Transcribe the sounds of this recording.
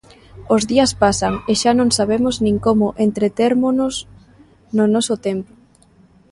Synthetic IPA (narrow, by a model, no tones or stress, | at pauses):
ozðiɐspasaŋeʃanõŋsaβemʊznĩŋkomʊʔent̪ɾet̪eɾmonʊs | nʊnɔsʊt̪empo